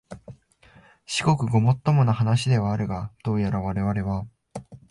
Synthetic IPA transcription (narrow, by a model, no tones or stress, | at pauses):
ɕi̥ko̞kɯ̟ɡo̞mo̞t̪ːo̞mo̞nahanaɕid̪e̞β̞aːɾɯ̟ɡad̪̥o̞ːjaɾaβaɾe̞β̞aɾe̞βa